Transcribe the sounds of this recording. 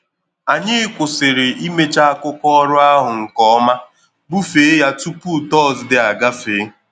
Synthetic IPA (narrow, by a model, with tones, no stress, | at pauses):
a˨ɲɪ˦kʷʊ˨sɪ˨ɾɪ˨i˦me˦t͡ʃa˦a˦kʊ˦kɔ˦ɔ˦ɾʊ˦a˦ɦʊ˨ŋ̩˨kɔ˦ma˦ | bu˦fe˨˦ja˦tu˦pu˦˨tɔ˦˨zdɪ˨a˨ɡa˦fe˨˦